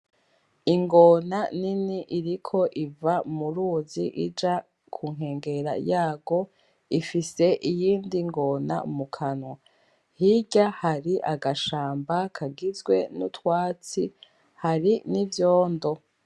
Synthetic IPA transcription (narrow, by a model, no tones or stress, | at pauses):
iŋɡonaniniʔiɾikʰo̞ʔivamuɾuːziʔid͡ʒa | kʰuŋ̥he̞ːŋɡe̞ɾa̰jaːɡo̞ | ifise̞ʔijiːndiŋɡo̞na̰mukʰanwa | hiɟahaɾiʔaɡaʃaːmbakʰaɡizɡwe̞nutwaːt͡si | haɾinivjoːndo̞